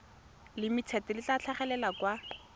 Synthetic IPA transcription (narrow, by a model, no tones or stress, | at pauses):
lɪmɪt͡sʰɛtɛlɪt͡ɬat͡ɬʰaχɛlɛlakwa